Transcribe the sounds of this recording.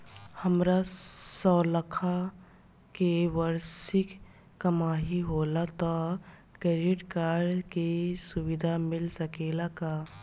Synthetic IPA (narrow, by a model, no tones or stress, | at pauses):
həmɾasɔːləkʰa | keʋəɾsɪkː | əmaːɦiɦoːlat̪ɔ | keɾiʈkaːɾkesuwɪd̪ʱamɪlsəkeːlaka